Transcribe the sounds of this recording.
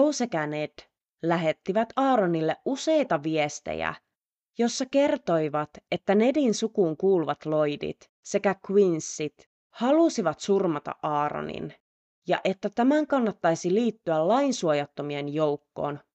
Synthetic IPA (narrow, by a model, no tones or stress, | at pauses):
owsekænet̪ | læɦe̞t̪ːiʋæt̪ɑːɾonilːeʔʔuse̞jt̪ɑʋiest̪ḛjæ̰ | jo̞sːɑke̞rt̪o̞jʋɑt̪e̞t̪ːæne̞dinsukuːŋkuːluʋɑt̪lo̞jdḭt̪ | se̞kækwinsːit̪ | hɑlusiʋɑt̪surmɑt̪ɑ̰ʔʔɑːɾo̰nḭn | jɑ̰ʔe̞t̪ːæt̪æmæŋkɑnːɑt̪ːɑjsiliːt̪ːyællɑinsuojɑt̪ːomienjo̞wkːo̞̰ːn